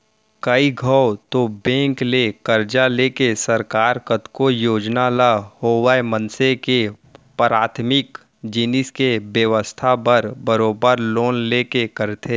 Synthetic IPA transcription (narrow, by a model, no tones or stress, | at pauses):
kəiɡʱəwt̪obẽːŋklekəɾd͡ʒaleːkesəɾkaːɾkət̪kojoːd͡ʒnalahoːʋaːemənseke | pɾaːt̪ʰmɪk | d͡ʒɪnɪskebjəʋəst̪ʰabəɾbəɾoːbəɾloːnleːkekəɾt̪ʰeː